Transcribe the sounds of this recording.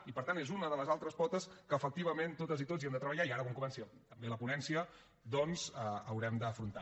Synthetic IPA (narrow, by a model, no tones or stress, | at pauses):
ipəɾt̪anezunəðələzalˠt̪ɾəspɔt̪əskəːfək̚t̪iβ̞əment̪ot̪əzit̪oziɛnd̪ət̪ɾəβəʎaiaɾəβaŋkumɛnsət̪əmbeləpunɛnsiə | d̪ɔnzəəwɾɛmd̪əːfɾunt̪a